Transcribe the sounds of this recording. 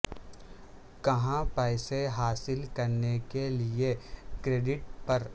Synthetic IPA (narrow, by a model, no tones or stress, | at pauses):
kɐɦãpaːɪseɦaːsɪlkɐɾnekeliekɾeːɖɪʈpɐɾ